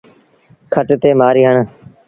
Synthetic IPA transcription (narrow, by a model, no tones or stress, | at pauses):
kʰəʈt̪eːmaːɾiːɦəɳ